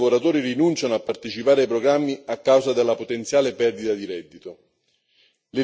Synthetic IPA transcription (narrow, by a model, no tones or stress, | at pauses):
voɾat̪uːɾirinunt͡ʃanoapːart̪et͡ʃipaːɾeajpɾoɡɾamːiakːawzad̪elːapot̪ent̪sjaːlepɛrd̪it̪ad̪iɾɛd̪ːit̪o | lɪ